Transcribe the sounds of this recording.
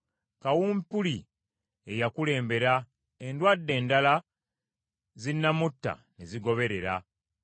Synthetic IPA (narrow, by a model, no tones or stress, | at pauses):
kawuːmpuli | e̞jakule̞ːmbe̞ɾa | endwadːe̞ːndala | zinːamutːa̰neziɡo̞βe̞ɾe̞ɾa